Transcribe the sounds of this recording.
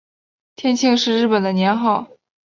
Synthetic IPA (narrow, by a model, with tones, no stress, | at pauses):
t̪ʰjɛ˥˧nt͡ɕʰi˥˧ŋʂɻ̩˥˧ɻɻ̩˥˩pə˨˩nd̪ə˦njɛ˧˥nxɑ˥˩ʊ